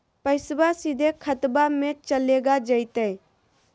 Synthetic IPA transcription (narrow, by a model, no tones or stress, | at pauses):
pəɪsbasid̪ʱekʰət̪bamẽt͡ʃəleːɡad͡ʒəɪt̪e